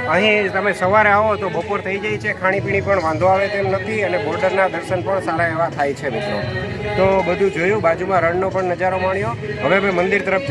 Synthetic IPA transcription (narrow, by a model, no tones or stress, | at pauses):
əɦĩt̪əmẽsəʋaɾeaʋot̪obəpoɾt̪ʰəid͡ʒajt͡ʃʰekʰaɽ̃ipiɽ̃ipəɳʋãnd̪ʱõaʋet̪emnət̪ʰiənebɔɾɖəɾnad̪əɾʃənpəɳsaɾaeʋat̪ʰajt͡ʃʰemɪt̪ɾo | t̪obəd̪ʱũd͡ʒojũbad͡ʒumãɾəɳnopəɳnəd͡ʒaɾomaɳ̃joɦəʋemɛ̃mənd̪ɪɾt̪əɾəp̚ʰ